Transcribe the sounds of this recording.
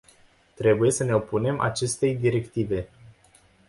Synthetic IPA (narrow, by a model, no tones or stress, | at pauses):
t̪ɾe̞buje̞səne̞o̞pune̞mʔa̰t͡ʃe̞st̪e̞jd̪iɾe̞kt̪ive̞